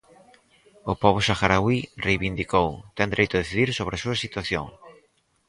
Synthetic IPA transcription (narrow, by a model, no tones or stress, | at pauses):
ʊpɔβʊsaxaɾawirejβind̪ikowt̪ɛnd̪ɾejt̪ʊðeθiðiɾsoβɾɪasuɐsit̪waθjo̰ŋ